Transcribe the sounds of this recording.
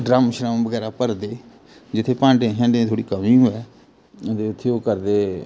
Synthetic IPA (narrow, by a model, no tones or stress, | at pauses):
ɖɾaːmʃɾabəɡɛːɾaːpəɾd̪eː | d͡ʒɪt̪ʰːeːpãːɳɖẽɦɛ̃ːɳɖẽt̪ʰoːɽiːkəmĩːɦoːɛː | t̪eːʊt̪ʰːeoːkəɾd̪eː